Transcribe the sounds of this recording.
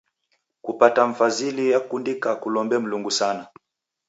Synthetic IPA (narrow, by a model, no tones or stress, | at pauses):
kupataɱ̩fazilijakundikakulɔmbɛm̩luŋɡusana